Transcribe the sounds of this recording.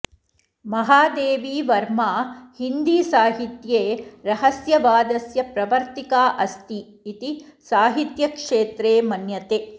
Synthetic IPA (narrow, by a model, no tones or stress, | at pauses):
mɐɦaːd̪eːʋiːʋɐɾmaːhind̪iːsaːɦit̪jeːɾɐɦɐsjɐʋaːd̪ɐsjɐpɾɐʋɐɾt̪ikaːʔɐst̪iː | t̪isaːɦit̪jɐkʂeːt̪ɾeːmɐnjɐt̪eː